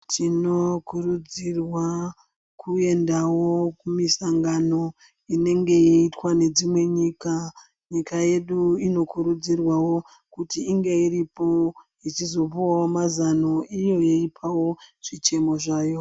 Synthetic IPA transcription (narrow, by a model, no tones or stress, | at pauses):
tʰino̞kuɾud͡zirwa | kʰue̞ndawo̞kumisaŋɡano̞ | ine̞ŋɡe̞eitwane̞d͡zimwe̞ɲiːka | ɲikʰaje̞ɗuino̞kuɾud͡zirwawo̞ | kutiːŋɡe̞iɾipo̞ | it͡ʃizo̞puwawomazano̞ijo̞jeipʰawo̞ʐ̥it͡ʃe̞mo̞ʐaːjo̞